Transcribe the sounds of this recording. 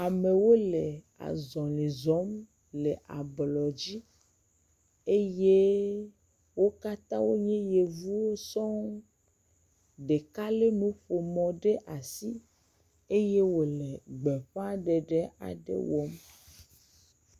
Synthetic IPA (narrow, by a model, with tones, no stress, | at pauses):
a˨me˨wo˦le˨ | a̰˨zɔ̃˨lĩ˨zɔ˦m | le˨ʔa˨blɔ˨d͡ʑi˦ | e˦je˦ | wo˦ka˦t̪ã˦wo˦ɲɛ̃˦je˨vu˦wo˦sɔ˦ŋ | ɖe˨ka˦le˦nũ˨˦ɸo˨mɔ̃˨ɖe˦ʔa˨si˦ | e˦je˦wo˨le˨ɡ͡be˨ɸa˦ɖe˨ɖe˦a̰˨ɖḛ˦wɔ˦m